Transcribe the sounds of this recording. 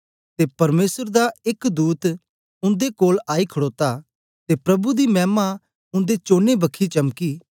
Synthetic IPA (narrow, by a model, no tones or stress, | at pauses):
t̪epɐɾmeːsəɾd̪aɪkd̪uːt̪ | ʊ̃nd̪ekoːlaːikʰəɽoːt̪a | t̪eːpɾɐbud̪imɛːma | ʊ̃nd̪et͡ʃoːnebɐkʰːit͡ʃɐmkiː